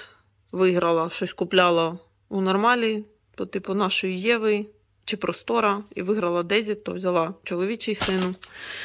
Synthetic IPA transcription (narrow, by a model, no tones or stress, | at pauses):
ʋɪɦɾɐlˠɐʃɔsʲkʊplʲɑlˠɐ | unɔrmɑlʲi | t̪ɔt̪ɪpʊnɑʃɔjijɛʋɪ | t͡ʃɪpɾɔst̪ɔɾɐḭʋɪɦɾɐlˠɐd̪ɛzʲit̪ɔwzʲɐlˠɑt͡ʃɔlˠɔʋʲit͡ʃɪjsɪnʊ